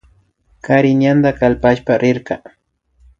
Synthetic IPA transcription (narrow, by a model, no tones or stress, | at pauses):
kaɾɪɲand̪akalpaʃpaɾɪɾkɑ